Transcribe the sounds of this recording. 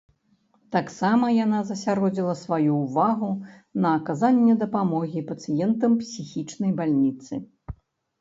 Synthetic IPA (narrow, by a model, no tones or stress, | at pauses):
t̪aksamɐjanazɐsʲaɾɔd͡zʲilˠɐsvajuːvaɣu | nɐːkazanʲːɛd̪ɐpamɔɣʲipɐt̪sɨjɛnt̪ɐmpsʲixʲit͡ʂnɐjbalʲnʲit̪sɨ